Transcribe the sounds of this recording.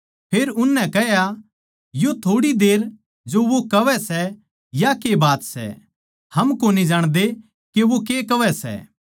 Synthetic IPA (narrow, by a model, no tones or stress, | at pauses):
pʰeːɾʊnːɛ̃kɛɦja | jot̪ʰoːɽid̪eːɾ | d͡ʒoʋokɐʋɛsɛ | jakebaːt̪sɛ̰ | hɐmkonid͡ʒaːɽ̃d̪e | keʋokekɐʋɛsɛ̰